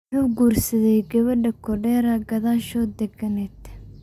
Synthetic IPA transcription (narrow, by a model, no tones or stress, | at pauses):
ħuːɡuːrsɐðɛjɡɐβɐɖɐkʰɔɖɛːɾɐɡɐðaːʃɔːd̪ɛɡɐnɛd̪